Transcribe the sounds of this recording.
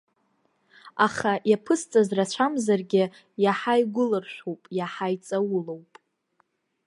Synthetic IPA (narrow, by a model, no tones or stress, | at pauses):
aχajapʰɨst͡sʼazrat͡ɕʷʰamzarɡʲɪ | jaħajɡʷʊlɨrʃʷᶣowpʼjaħajt͡sʼawʊlo̞wpʼ